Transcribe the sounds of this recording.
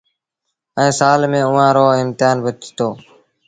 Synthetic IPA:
ɛ̃ːsaːlmẽːʊʋãːɾoːɪmt̪ɪjaːnbətt̪ʰi̥t̪oː

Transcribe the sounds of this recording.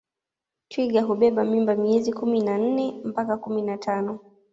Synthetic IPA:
twiɠaɦuɓɛɓamimbamiɛzikuminan̩nɛm̩pakakuminatʰanɔ

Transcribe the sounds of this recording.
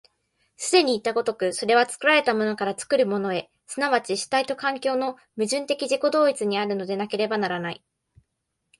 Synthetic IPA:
sɨd̪e̞ɲ̟iːt̪ːaɡo̞t̪o̞kɯ̟so̞ɾe̞β̞at͡sɨ̥kɯ̟ɾaɾe̞t̪amo̞no̞kaɾat͡sɨ̥kɯ̟ɾɯ̟mo̞no̞e̞ | sɨnaβat͡ɕiɕi̥t̪ait̪o̞kãŋkʲo̞ːno̞ | mɯ̟ʑɨ̃nt̪e̞kʲiʑiko̞d̪o̞ːit͡sɨɲ̟iaɾɯ̟no̞d̪e̞nake̞ɾe̞banaɾanai

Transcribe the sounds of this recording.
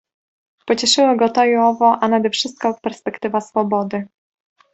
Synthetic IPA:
pɔt͡ɕɛʂɘwɔɡɔt̪ɔiɔvɔʔanad̪ɛfʂɘst̪̚kɔpɛɾspɛkt̪ɘvasfɔbɔd̪ɘ

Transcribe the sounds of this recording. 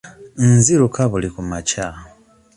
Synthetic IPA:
nnziɾukaβulikumaca

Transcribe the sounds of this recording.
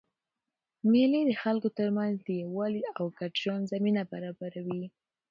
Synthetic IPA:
melid̪əxalkot̪əɾmanzd̪əjawɑliawkaʈʒanzaminabaɾɑbaɾawi

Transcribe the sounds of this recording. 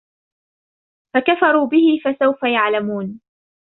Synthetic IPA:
fakafɑɾˤuːbɪhɪfasawfajaʕlamuːn

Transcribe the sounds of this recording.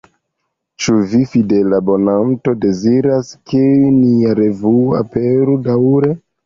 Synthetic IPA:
t͡ʃuvifidelabo̞nanto̞de̞ziɾaskeniaɾe̞vua̰peɾudawɾe

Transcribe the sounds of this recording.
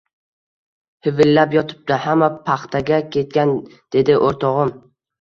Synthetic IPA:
hɪvɪlːapjɒt̪ʰɪ̥p̚d̪ahamːapʰaχt̪ʰaɡʲakʲʰe̞t̪̚kʲand̪̥e̞d̪ɪʔoɾt̪ʰɒʁɨm

